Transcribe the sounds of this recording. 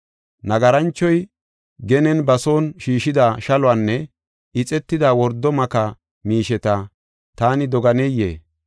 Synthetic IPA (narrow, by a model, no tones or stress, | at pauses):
nɐɡɐɾɐnt͡ʃːɔj | ɡɛnɛnbɐso̞ːnʃiːʃɪd̪aːʃɐlʊwaːnːɛ | ɪt͡sʼɛt̪ːɪd̪aːwɔɾd̪ːɔmɐkɐ | miːʃɛt̪ɐ | t̪aːnɪd̪ɔɡɐnɛjːḛː